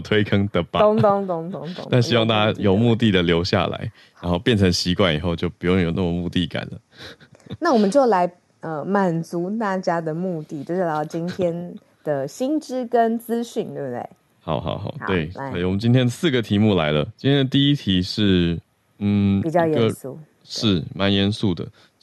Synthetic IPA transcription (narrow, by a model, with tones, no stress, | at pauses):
t̪ʰwe˥ɪkʰɤ˥ŋt̪ə˩pa˥ŋt̪o˥ŋt̪o˥ŋto˥ŋt̪ŋna˥˧nɕi˥wɑ˥˧ŋt̪a˥˩t͡ɕa˥jo˨˩ʊmu˥˧t̪i˥˩d̪ə˩ljo˧˥ʊɕja̰˥˩la̰˧˦ɪ | ɻnxo˥˧ʊpjɛ˥˩nʈ͡ʂʰɤ˧˥ŋɕi˧˥kwa˥˩nḭ˨˩xo˥˧ʊt͡ɕjo˥˩ʊpu˨˩jŋjo˨˩ʊna˥˩mə˩mu˥˧t̪i˥˩ka̰˨˩nlə̰˦ | na˥˩wɔ˨˩mə˦nt͡ɕjo˥˩ʊla˧˥ɪ | ə˧ma˨˩nt͡su˨˦t̪a˥˩t͡ɕja˥d̪ə˨mu˥˧t̪i˥˩t͡ɕjo˥˧ʊʂ̩˥˩˨t͡ɕi˦˥nt̪ʰjɛ˥n | d̪̥ə˨ɕi˥nʈ͡ʂɻ̩˥kə˦nt͡sɹ̩˥ɕy˥˩nt̪we˥˧˩bə˨˩t̪wḛ˥˩ɪ | xɑ˨˩ʊxɑ̰˨˩ʊxɑ̰˨˩ʊt̪we˧˥˩ɪa˥˨˩wɔ˨˩mə˦nt͡ɕi˥nt̪ʰjɛ˥nd̪ə˨sɹ̩˥˩ɡə˩t̪ʰi˧˥mu˥˩la˧˥ɪlə˧t͡ɕi˥t̪ʰjɛ˥nd̪ə˧t̪i˥˧i˥t̪ʰi˧˥ʂɻ̩˥˩ | n̩˥˩pi˨˩t͡ɕjɑ˥˧ʊjɛɡə˥˧sṵ˥˩ | ʂɻ̩˥˩ma˧˥njɛ˧nsu˥˩d̪ə̰˩